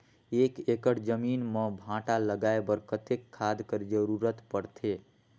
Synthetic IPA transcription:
ekekəɽd͡ʒəminmə̃bʱãʈaləɡaebəɾkət̪ekʰːad̪kəɾd͡ʒəɾuɾət̪pəɽt̪ʰe

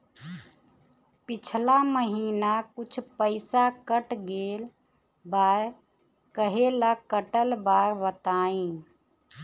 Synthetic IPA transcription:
pɪt͡ʃʰlaməɦiːnakʊt͡ʃʰpəɪsakəʈɡeːl | baːɾ | kəɦelakəʈəlbaːɾʋət̪aːĩ

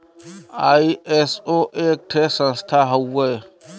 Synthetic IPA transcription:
aːiesoʔeːk̚ʈʰesə̃nst̪ʰaɦɐwːɐe

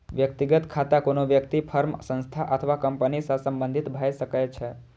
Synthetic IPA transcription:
ʋjəkt̪iɡət̪kʰat̪akonoʋjəkt̪ipʰəɾmsə̃nst̪ʰaʔət̪ʰəʋakəmpənisãsə̃mbə̃nd̪ʱit̪bʱəʃəkajt͡ʃʰe

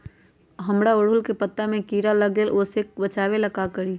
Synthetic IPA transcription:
ɦəmɽaʊɽ̤ʊlkepət̪ːamẽkiːɾaləɡlelʔosek̚bət͡ʃaːweləkakəɾiː

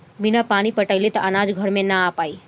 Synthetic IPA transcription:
binapanipəʈəjlet̪ʌʔənad͡zɡʱʌɾmenaːpaj

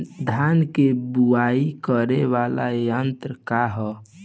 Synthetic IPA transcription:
d̪ʱjaːnkebuaikəɾeʋala̰jənt̪ɾəkaɦɛ

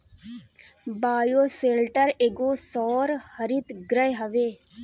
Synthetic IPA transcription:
baːjoːseːlʈəɾeːɡoːsɔːɾhəɾit̪ɡɾəjɦɐʋeː

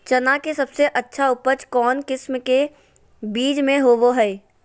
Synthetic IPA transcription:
t͡ʃɐnakesɐbseʔɐtːʃʰaʊpət͡ʃkɔːnkɪsmke | biːd͡ʒmẽɦoːʋoɦɛː

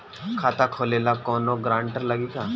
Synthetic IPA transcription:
kʰaːt̪akʰoːleːlakɔːnoɡɾãːɳʈəɾləɡiːka

